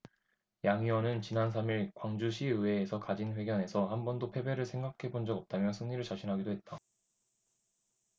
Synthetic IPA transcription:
jaŋiʌnɯnt͡ɕinans̬ʰamiɭkwaŋd͡ʑuɕʰiɯwe̞ːsʰʌkad͡ʑinɸwe̞ɡjʌne̞sʰʌhambʌndopʰe̞be̞ɾɯɭsʰe̞ŋɡakʰe̞bond͡ʑʌɡʌp̚t͈amjʌsʰɯŋɲiɾɯɭt͡ɕaɕʰinɦaɡidoɦe̞t̚t͈a

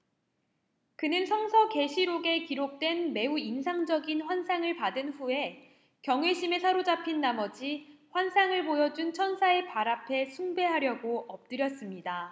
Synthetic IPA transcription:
kɯnɯnsʰʌŋsʰʌke̞ɕʰiɾoɡe̞kiɾok̚t͈we̞nme̞uinsʰaŋd͡ʑʌɡinɸwansʰaŋɯɭpadɯnɸue̞ | kjʌŋwe̞ɕʰime̞sʰaɾod͡ʑapʰinːamʌd͡ʑiɸwansʰaŋɯɭpojʌd͡ʑunt͡ɕʰʌnsʰae̞paɾapʰe̞sʰuŋbe̞ɦaɾjʌɡoʌp̚t͈ɯɾjʌs͈ɯmɲida

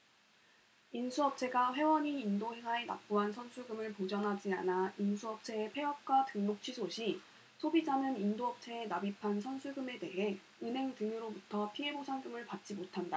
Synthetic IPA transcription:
insʰuʌp̚t͡ɕʰe̞ɡaɸwe̞wʌɲiːndoɦeŋʰae̞na̰p̚p͈uɦansʰʌnsʰuɭɡɯmɯɭpod͡ʑʌŋɦad͡ʑia̰nainsʰuʌp̚t͡ɕʰe̞ːpʰe̞ʌp̚k͈watɯŋmok̚t͡ɕʰisʰoɕʰi | sʰobid͡ʑanɯnindoʌp̚t͡ɕʰe̞ːnabipʰansʰʌnsʰuɭɡɯme̞te̞ɦe̞ | ɯnɦe̞ŋtɯŋɯɾobutʰʌpʰie̞bosʰaŋɡɯmɯɭpat̚t͡ɕ͈imotʰanda

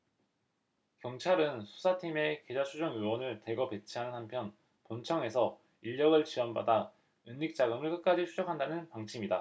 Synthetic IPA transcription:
kjʌŋt͡ɕʰaɾɯnsʰu̥sʰatʰime̞ke̞d͡ʑat͡ɕʰud͡ʑoŋɯwʌnɯɭte̞ɡʌpe̞t͡ɕʰiɦanɯnɦampʰjʌn | pont͡ɕʰʌŋe̞sʰʌ | iʎːʌɡɯɭt͡ɕʰiwʌnba̰da | ɯnːik̚t͡ɕ͈aɡɯmɯɭk͈ɯk̚k͈ad͡ʑisʰud͡ʑʌkʰandanɯnpaŋt͡ɕʰimida

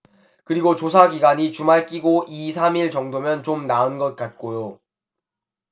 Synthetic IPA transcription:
kɯɾiɡot͡ɕos̬ʰaɡiɡaɲit͡ɕumaɭk͈iɡoʔis̬ʰamiɭt͡ɕʌŋdomjʌnt͡ɕomnaɯnɡʌt̚k͈at̚k͈ojo

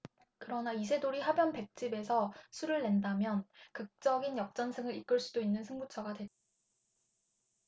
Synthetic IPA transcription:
kɯɾʌnaisʰe̞doɾiɦabjʌnpe̞k̚t͡ɕ͈ibe̞sʰʌsʰuɾɯɭːe̞ndamjʌnkɯk̚t͡ɕ͈ʌɡinjʌk̚t͡ɕ͈ʌnsʰɯŋɯɾik͈ɯɭs͈udoinːɯnsʰɯŋbut͡ɕʰʌɡadwe̞t͈̚a

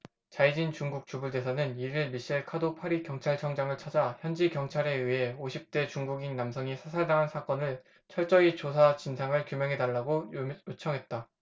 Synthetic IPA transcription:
t͡ɕaid͡ʑint͡ɕuŋɡuk̚t͡ɕ͈ubuɭde̞sʰanɯniɾiɭmiɕ͈iɭkʰadopʰaɾikjʌŋt͡ɕʰaɭt͡ɕʰʌŋd͡ʑaŋɯɭt͡ɕʰad͡ʑaçjʌnd͡ʑikjʌŋt͡ɕʰaɾe̞ɯɦe̞oɕʰip̚t͈e̞t͡ɕuŋɡuɡinnamsʰʌŋisʰasʰaɭdaŋɦansʰak͈ʌnɯɭ | t͡ɕʰʌɭt͡ɕ͈ʌɡit͡ɕosʰat͡ɕinsʰaŋɯɭkjumjʌŋɦe̞daɭːaɡojot͡ɕʰʌŋɦe̞t̚t͈a

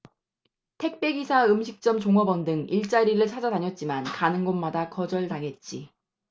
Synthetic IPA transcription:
tʰe̞k̚p͈e̞ɡisʰaɯmɕʰik̚t͡ɕ͈ʌmt͡ɕoŋʌbʌndɯŋiɭt͡ɕ͈aɾiɾɯɭt͡ɕʰad͡ʑataɲʌt̚t͡ɕ͈imankanɯnɡonmadakʌd͡ʑʌɭtaŋɦe̞t̚t͡ɕ͈i

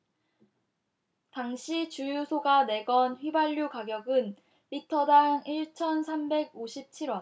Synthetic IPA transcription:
taŋɕʰit͡ɕujusʰoɡane̞ɡʌnɸɥibaʎːukaɡjʌɡɯn | pitʰʌdaŋiɭt͡ɕʰʌnsʰambe̞ɡoɕʰip̚t͡ɕʰiɾwʌn

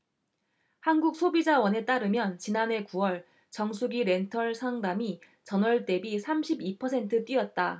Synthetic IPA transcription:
hanɡuk̚sʰobid͡ʑawʌne̞t͈aɾɯmjʌnt͡ɕinane̞kuwʌɭ | t͡ɕʌŋsʰuɡiɾe̞ntʰʌɭsʰaŋdami | t͡ɕʌnwʌɭt͈e̞bisʰamɕʰibipʰʌsʰe̞ntʰɯt͈wiʌt̚t͈a

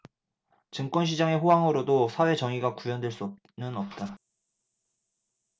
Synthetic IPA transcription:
t͡ɕɯŋk͈wʌnɕ̬ʰid͡ʑaŋe̞ɸoɦaŋɯɾodosʰawe̞t͡ɕʌŋiɡakujʌndwe̞ɭs͈uʌp̚ | nɯnʌp̚t͈a

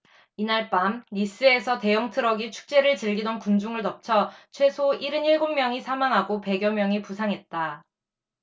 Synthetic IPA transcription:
inaɭp͈amlis͈ɯe̞sʰʌte̞jʌŋtʰɯɾʌɡit͡ɕʰu̥k̚t͡ɕ͈e̞ɾɯɭt͡ɕɯɭɡidʌnkund͡ʑuŋɯɭtʌp̚t͡ɕʰʌt͡ɕʰwe̞sʰoiɾɯniɭɡomːjʌŋisʰamaŋɦaɡope̞ɡjʌmjʌŋipusʰaŋɦe̞t̚t͈a

